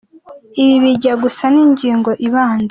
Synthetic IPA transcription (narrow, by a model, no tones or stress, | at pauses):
iβiβiɟaɡusaniːɲɟiːŋɡo̞ʔiβaːnza